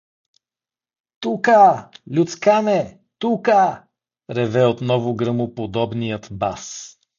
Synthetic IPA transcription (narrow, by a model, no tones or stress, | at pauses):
t̪ukəlʲut̪skanɛ | t̪ukə | ɾɛvɛot̪nɔvʊɡɾɤmʊpod̪ɔbnijət̪bas